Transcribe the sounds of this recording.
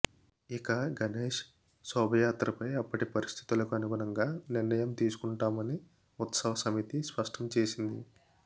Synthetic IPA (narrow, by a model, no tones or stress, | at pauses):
ikɐɡɐneːʂ | sɔːbʱɐjaːt̪ɾɐpɐjɐpːɐʈipɐɾist̪ʰi̥t̪ulɐkuɐnuɡuɳɐŋɡaːniɾnɐjɐmt̪iːsu̥kuɳʈaːmɐni | ut̪sɐʋɐsɐmit̪ispɐʂʈʰɐmt͡ʃe̞ːsind̪ḭ